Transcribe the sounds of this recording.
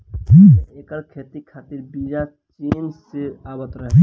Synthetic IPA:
eːkəɾkʰet̪ikʰat̪iɾbiːd͡ʒa | t͡ʃeːnseaːbət̪ɾəɦɛ

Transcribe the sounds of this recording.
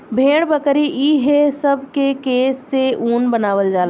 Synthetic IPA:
bʱeːɽbəkɾiʔiːɦesɐbkekeːsːeuːnbənaːʋəld͡ʒaːl

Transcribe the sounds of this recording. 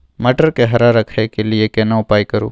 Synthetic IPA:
mɐʈəɾkeɦɐɾaɾɐkʰekeliekenaʊpaːikɐɾṵː

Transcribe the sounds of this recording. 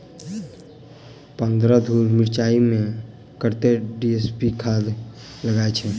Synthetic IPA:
pə̃nd̪ɾad̪ʱuːɾmɪɾt͡ʃaːimẽ | kəɾt̪eɖiespikʰaːd̪ | ləɡaːet͡ʃʰɛ

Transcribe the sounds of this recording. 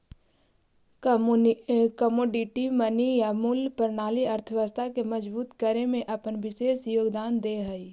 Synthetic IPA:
kəmoːɖiʈimənijamʊlpəɾnaːliɐɾt̪ʰəʋəst̪ʰakeməd͡ʒbuːt̪kəɾemẽʔɐpənʋɪʃeːsjoːɡd̪aːnd̪eːɦəi

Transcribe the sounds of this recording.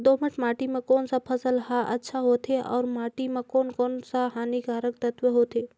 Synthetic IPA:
d̪oməʈmaːʈimẽkoːnsapʰəsəlɦaʔə̰tːʃʰaɦoːt̪ʰeʔɔ̰ːɾmaːʈimẽkoːnkoːnsaɦaːniɡaːɾək̚t̪ət̪wəɦoːt̪eː

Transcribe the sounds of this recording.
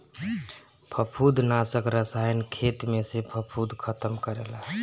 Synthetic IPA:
pʰəpʰud̪ʱnasəkɾəsajnkʰet̪mesepʰəpʰud̪ʱkʰət̪əmkəɾela

